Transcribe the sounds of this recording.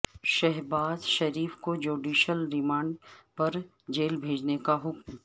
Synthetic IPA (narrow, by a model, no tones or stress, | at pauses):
ʃɛɦbaːzʃɐɾiːfkod͡ʒuːɖiːʃəlɾɪmãːɳɖpɐɾ | d͡ʒeːlbʱeːd͡ʒnekaɦʊkm